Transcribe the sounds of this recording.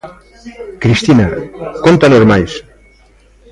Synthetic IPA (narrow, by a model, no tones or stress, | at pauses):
kɾist̪inakont̪anozmajs